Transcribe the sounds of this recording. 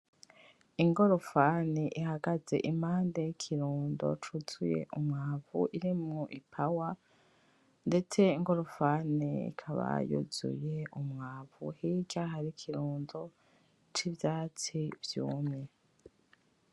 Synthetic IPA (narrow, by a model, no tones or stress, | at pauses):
iŋɡo̞ɾofaːniʔihaɡaze̞̰ʔimaːndejikʰiɾuːndo̞̰t͡ʃuz̥uje̞̰ʔumŋaːvṵʔiɾimŋoʔipʰawa | nde̞t͡se̞iŋɡo̞ɾofaːniḭkʰaβa̰jṵz̥ṵje̞ʔumŋaːvṵhiːd͡ʒaɦaɾikʰiɾuːndo̞ | t͡ʃivjaːt͡sivjṵːmŋe̞